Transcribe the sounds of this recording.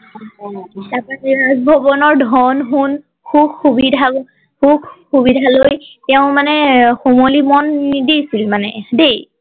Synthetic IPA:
tapaiɹazbʱɔbɔnɔɹdʱɔnɦun | kʰubxubidʱa | kʰubxubidʱalojtɛʊ̃manɛxomolimɔnːidijsilmanɛdej

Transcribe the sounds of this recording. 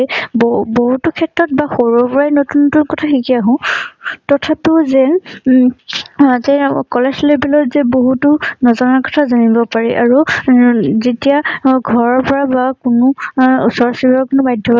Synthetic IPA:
bboɦutʊkʰɛtɹɔt̚baxoɹɔɹpɔɹajnotunːtunkɔtʰaxikiaɦɔ̃tɔtʰapiʊzɛ | tɛkɔlɛslebilɔtzɛboɦutʊnɔzɔnakɔ̥tʰazanibɔpaɹiʔaɹu | zetijaɡʱɔɹɔɹpɔɹabakʊnʊusɔɹsibɔkʊnʊbajdʱɔb

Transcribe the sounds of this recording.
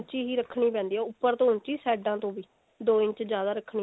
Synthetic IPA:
t͡ʃiːɦiːɾəkʰːɳ̃iːpɛ̃ːnd̪iːɛːʊpːəɾt̪õːʊnt͡ʃiːsɛːɖãːt̪õːʋiː | d̪oːɪ̃ɲt͡ʃd͡ʒjaːd̪aːɾəkʰɳiː

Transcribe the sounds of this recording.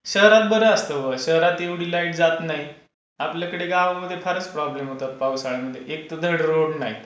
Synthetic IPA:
ɕəɦɾat̪bəɾəəst̪əʋəɕəɦɾat̪eʋɽiːlaiʈd͡zat̪naɦi | apljakəɽeɡãʋaməd̪ʱːjefʰaɾət͡spɾɔblemɦot̪at̪̚pausaɭəməd̪ʱjeʔek̚t̪əd̪ʱəɽɾoɽnaɦi

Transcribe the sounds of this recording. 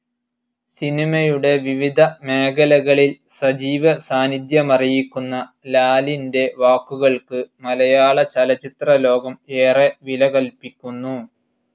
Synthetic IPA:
sinimɐjuɽe̞ʋiʋid̪ʱɐme̞ːɣɐlɐɣɐɭil | sɐd͡ʑiːʋɐsaːnid̪jɐmɐrijikʲːunːɐ | laːlinde̞ʋaːkːuɣɐɭkɨmɐlɐjaːɭɐt͡ɕɐlɐt͡ɕːit̪rɐlo̞ːɡɐme̞ːreʋilɐɣɐlpikʲːunːu

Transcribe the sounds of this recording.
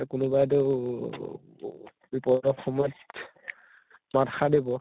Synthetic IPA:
kʊnubajde | bipɔdɔxɔmɔt | matxadibɔ

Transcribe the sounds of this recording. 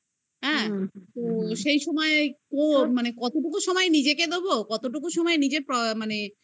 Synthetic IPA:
ɦɛ̃t̪oʃejʃɔmɔekomanekɔt̪oʈukuʃɔmɔenid͡ʑeked̪obokɔt̪oʈukuʃɔmɔenid͡ʑeɾpɾɔmane

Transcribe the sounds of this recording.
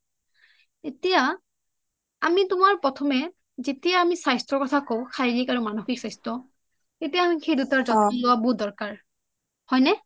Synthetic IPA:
etija | amitʊmaɹpɹɔtʰɔmɛ | zetijaːmisajstɹɔkɔtʰakoʊ̃xʰajɹikaɹumanoxiksajstɔ | tetijaːmixejdutaɹzɔnɔlʊwabudɔɹkaɹ | hɔjnɛ

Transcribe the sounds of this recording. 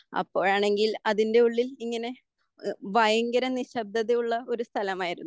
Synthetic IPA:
ɐ̰pːo̞ːɻaːɳe̞ŋɡilɐðinde̞uɭːiliŋːɐne̞ | ʋɐjɐŋɡɐɾɐniɕɐb̚d̪ɐðejuɭːɐo̞ɾust̪ʰɐlɐmaːjiɾunːu

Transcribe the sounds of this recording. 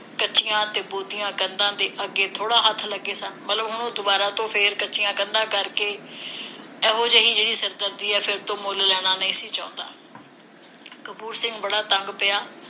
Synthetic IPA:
kətːʃɪjãːt̪eːboːt̪ijãːkənd̪ãːd̪eːʔəɡːeːt̪ʰoːɽaːɦət̪ʰləɡːeːsaːnmət̪ləbɦʊnõːd̪ʊbaːɾaːt̪õːpʰɪɾkətːʃɪjãːkənd̪ãːkəɾkeː | ɛːɦoːd͡ʒəɦiːd͡ʒeːɽiːsəɾd̪əɾd̪iːɛːpʰɪɾt̪õːmoːllɛːɽ̃aːnəĩːsiːt͡ʃãːnd̪a̰ː | kəpuːɾsɪ̃ŋɡbəɽaːt̪əŋɡpɪjaː

